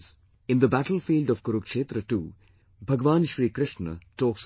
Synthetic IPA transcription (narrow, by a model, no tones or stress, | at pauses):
z | ɪ̃nd̪əbæʈəlfiːlɖɔʋkʊɾukʂeːt̪ɾəʈṵː | bʱɐɡʋãːnʃɾiːkɾɪʃɳə̰ʈɔːks